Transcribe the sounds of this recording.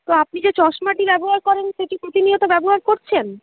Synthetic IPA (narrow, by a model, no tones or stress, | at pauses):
t̪oap̚nid͡ʑet͡ɕɔʃmaʈibɛboɦaɾkɔɾenʃeʈipɾot̪iniot̪obɛboɦaɾkoɾt͡ɕʰen